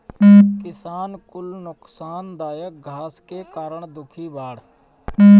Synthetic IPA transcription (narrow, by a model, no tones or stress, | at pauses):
kɪsaːnkʊlnʊksaːnd̪aːjək̚ɡʱaːskekaːɾəɳd̪ʊkʰiːbaːɽ